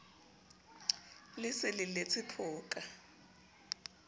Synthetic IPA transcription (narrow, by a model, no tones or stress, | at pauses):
lɪsɪlɪlet͡sʰɪpʰʊːkʼa